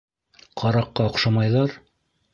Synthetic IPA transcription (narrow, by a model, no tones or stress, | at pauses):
qʰɑɾɑqːɑŏqʃɑmɑjðˠɑɾ